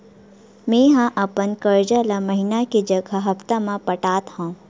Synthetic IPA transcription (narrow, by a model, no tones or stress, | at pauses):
mẽːɦãʔɐpənkəɾd͡ʒalaməɦɪnaked͡ʒɐɡʱaɦɐft̪amãpɐʈaːt̪hõ